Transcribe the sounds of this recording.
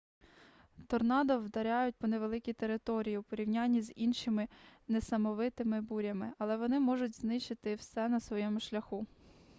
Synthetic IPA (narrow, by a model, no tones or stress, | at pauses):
t̪ɔrnɑd̪ɔwd̪ɐɾʲɑjʊt̚ʲpɔneʋelˠɪkʲijt̪eɾɪt̪ɔɾʲijipɔɾʲiwnʲanʲːizʲinʃɪmɪnesɐmɔʋɪt̪ɪmɪbuɾʲɐmɪɐlˠɛʋɔnɪmɔʒʊtʲznɪʃt͡ʃɪt̪ɪwsɛnɐsʋɔjɛmʊʃlʲɐxu